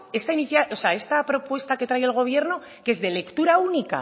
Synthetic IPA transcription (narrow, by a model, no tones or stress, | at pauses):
e̞st̪ainiθjalʔose̞ae̞st̪apɾo̞pwe̞st̪ake̞t̪ɾaje̞lɣ̞o̞β̞je̞ɾno̞ | keezðe̞le̞kt̪uɾaunika̰